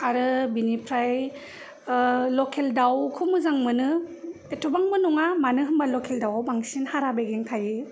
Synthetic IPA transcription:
aɾɯbinipʰɾaj | lɔkʰeldawkʰumɯzaŋmɯnɯ | etʰɔbaŋmɯnɔŋamanɯɦɯmbalɔkʰeldawbaŋsinhaɾabeɡeŋtʰajɯ

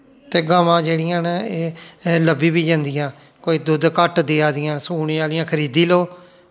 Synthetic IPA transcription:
t̪eːɡaːmãːd͡ʒeːɽɪjãːneːləbiːbiːd͡ʒãːnd̪ɪjãː | koːiːd̪ʊd̪kəʈd̪eːaːd̪ɪjãːnsuːneːaːlɪjãːkʰəɾiːd̪iːloː

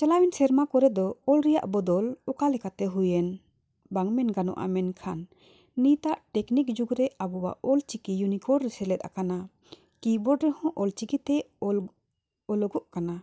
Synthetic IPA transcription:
t͡ʃɛlawɛnsɛɾmakɔɾɛd̪ɔɔlɾɛja̰ʔbɔd̪ɔlɔkalɛkat̪ɛɦujɛn | baŋmɛnɡanɔ̰ʔa̰mɛnkʰanː | it̪aʔʈɛknik̚d͡ʒuɡɾɛabɔwa̰ʔɔlt͡ʃikijunikɔɖɾɛsɛlɛt̪̚a̰kana | kibɔɖɾɛhɔ̃ʔɔlt͡ʃikit̪ɛ | ɔlɔɡɔʔkana

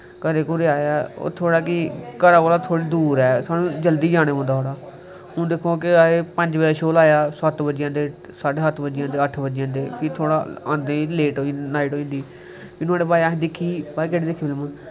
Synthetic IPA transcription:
kəɾeːkũɾeaːjaːo̰ːt̪ʰoːɽaːkiːkəɾaːkoːlaːt̪ʰoːɽiːd̪uːɾɛːsaːnũːd͡ʒəld̪iːd͡ʒaːɽ̃eːɦõːnd̪aːɦoːɽaː | ɦõːd̪ekʰoːkɪaeːpəɲd͡ʒbəd͡ʒeːʃoːlaːjaːsət̪bəd͡ʒjãːd̪eː | saːɖeːɦət̪bəd͡ʒjãːd̪eːəʈʰbəd͡ʒjãːd̪eːpʰɪt̪ʰoːɽaːã̰ːnd̪ẽːleːʈoːĩnaːiʈoːĩːnd̪iː | pʰɪnaːɽeːbaːaːɦẽːd̪ɪkʰːiːbaːikeːɽeːd̪ɪkʰːbɪlmãː

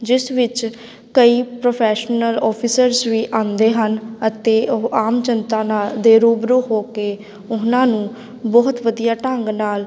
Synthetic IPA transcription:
d͡ʒɪsʋɪt͡ʃ | kəiːpɾoːpʰɛːʃnəlɔːpʰɪsəɾzʋiːʔãːnd̪eːɦənət̪eːaːmt͡ʃənt̪ãːnaːld̪eːɾuːbɾuːɦoːkeː | ʊnãːnũː | bɔːɦʊt̪ʋəd̪ijaːʈəŋɡnaːl

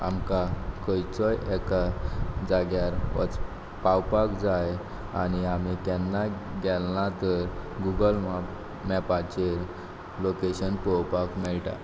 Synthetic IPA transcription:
a̰mkakəjt͡sɔjɛkad͡zaɡjaɾɔ̰t͡s | pawpakd͡zaj | a̰ñiam̤ik̪ɛnːaɡɛlnat̪əɾɡuɡəlma | mɛpat͡ɕeɾ | lokeɕənpɔwpakmɛɭʈa̰

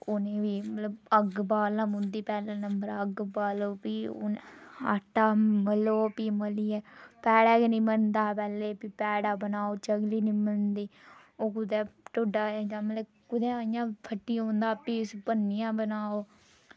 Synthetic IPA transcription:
oneːʋiːmət̪ləbəɡbaːlãːmʊ̃nd̪iːpɛːlãːnəmbəɾaəɡbaːloːpiːo̰na̰ːʈːaːməloːpiːməliːɛːpɛːɽɛːkenĩːməlnd̪aːpɛːleːpipɛːɽaːbənaːoːt͡ʃəɡliːnĩːməlnd̪iː | oːkʊd̪ɛːʈoɖaːeːd͡ʒãːmət̪ə | kʊd̪ɛ̃ːəjãːpʰəʈːiːõːnd̪aːpiːspənːɪjãːbənaːoː

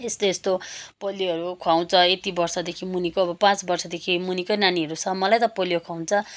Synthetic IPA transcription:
esleːst̪opʌlːiɦʌɾukʰwaw̃t͡sʰʌet̪ibʌrsʌd̪ekʰimunikoːbʌpãt͡sbʌrsʌd̪ekʰimunikonaniɦʌɾut͡sʰʌmʌlajt̪ʌpʌlijokʰwaw̃t͡sʰʌ

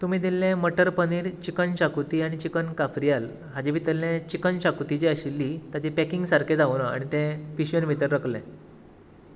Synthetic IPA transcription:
t̪um̤iːd̪ilːẽməʈəɾpəniːɾt͡ɕikənɕakut̪iːaɽ̃it͡ɕikənkafɾijal | ɦad͡ʑeʋit̪əlːẽt͡ɕikənɕakut̪it͡ɕiəɕilːiːt̪jat͡ɕipɛkiŋɡsaɾkʰed͡zauna̰ɽ̃it̪ɛ̃piɕənʋit̪əɾːəklḛ̃

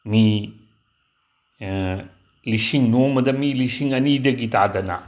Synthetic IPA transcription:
mi | lisiŋnomɐdɐmilisiŋɐnidɐɡitadɐnɐ̰

